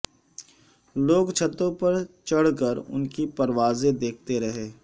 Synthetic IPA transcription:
loːɡt͡ʃʰɐt̪ːõpɐɾt͡ʃɐɽ̤kəɾʊ̰nkipɐɾʋaːzed̪eːk̚ʰt̪eɾɐɦeː

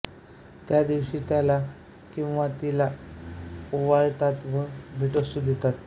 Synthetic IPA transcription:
t̪jad̪iwɕit̪jala | kĩw̃ʋat̪ila | uʋaɾt̪at̪bəbʱiʈəst̪ud̪et̪at̪

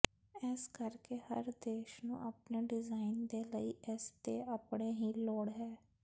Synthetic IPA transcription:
ɛskəɾkeːhəɾd̪eːʃnṵ̃ːʔəpneːɖɪzaːɪnd̪eːləiːʔɛst̪eːʔəpɽeːɦiːlɔːɽɦɛː

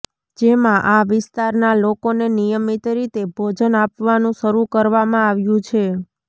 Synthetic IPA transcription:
d͡ʒemãʔaʋɪst̪aɾnalokonenijəmit̪ɾit̪ebʱod͡ʒənapʋanũʃəɾukəɾʋamãaʋjũt͡ʃʰe

